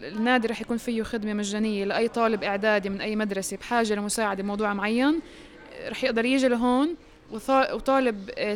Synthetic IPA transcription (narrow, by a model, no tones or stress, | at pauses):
ɪnːaːd̪iɾˤɑːħjakuːnfɪjːʊxɪd̪memaʒːaːnɪjːelaʔajːt̪ˤɑːlɪbʔɪʕd̪aːd̪imɪnʔajːmad̪ɾˤɑsebħaːʒelamʊsaːʕad̪ebmɑwd̪ˤuːʕmʕajːan | ɾˤɑːħjɪʔd̪ɑɾˤjɪːʒɪlaɦoːn | w̪ɑwt̪ˤɑːlɪb